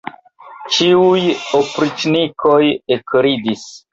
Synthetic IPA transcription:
t͡ʃiujopɾit͡ʃnikʰojekɾidis

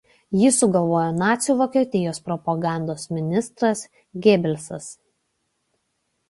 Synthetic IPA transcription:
jisʊɡɐlˠʋoːjonɑːt̪sʲjuːʋoːkʲɛt̪ʲɪjoːspɾɔpɐɡɑˑnd̪oːsmʲɪnʲɪst̪ɾɐs | ɡʲeːbʲɛlʲsɐs

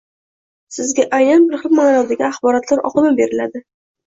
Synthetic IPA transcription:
sɪzɡʲaʔajnanbɪɾχɨlˠmanɒd̪aɡʲaaχbɒɾɒt̪laɾɒ̰qɨmabe̞ɾɪlad̪ɪ

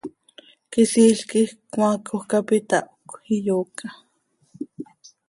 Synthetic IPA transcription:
kisiːɬkihkwmakʰohkapit̪aʔokʷijoːka

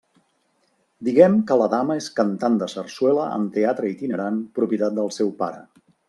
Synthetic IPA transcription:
d̪iɣɛmkələðaməeskənt̪and̪əsərswɛləʔə̰nt̪eat̪ɾəit̪inəɾanpɾupiət̪at̪̚d̪əlˠsɛwpa̰ɾə̰

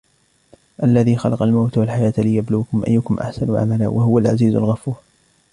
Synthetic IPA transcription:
ʔalːaðiːxɑlɑqɑlmawt̪walħajaːt̪lɪjabluːkʊmʔa̰jːʊkʊmʔa̰ħsanuʕa̰mala̰ːwaɦʊwalʕaziːzʊ̰lɣɑfuːʕ

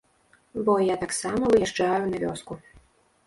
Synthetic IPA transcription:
bɔjat̪aksamɐvɨjaʐd͡ʐajunavʲɔ̰sku

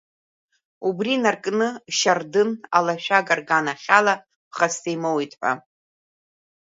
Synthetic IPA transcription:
ubrinarkʼnɨʃardɨnalaʃʷᶣaɡarɡanaχʲala | pχastʰejmowitʼħʷa̰

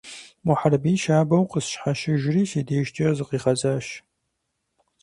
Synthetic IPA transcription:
wʊħarɐbiːʃaːbɐwqəsʃħaʃɪʒriːʃeːdeːʃtʰʼizɨqiːʁɐzaːʃ

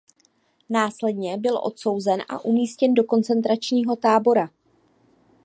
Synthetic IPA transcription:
naːslɛdɲɛbɪlʔo̞̰t̪so̞wzɛnʔa̰ʔumiːscɛndo̞ko̞nt͡sɛnt̪̬ɾat͡ʃɲiːɦo̞t̪aːbo̞ɾa

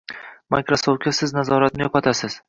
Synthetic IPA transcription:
majkɾosowt̪kʲasɪznazɒɾat̪̚nɪjɒpat̪ʰasɪz̥

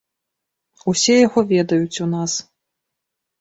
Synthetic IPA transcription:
usʲɛjaɣɔvʲɛd̪ɐjut͡sʲunas

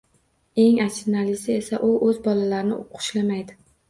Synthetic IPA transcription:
e̞ŋat͡ʃʰɪnalɪsɪe̞saʔʊʔɵzbɒlalaɾɪnɪʊqʰʊ̥ʃlamajd̪ɪ

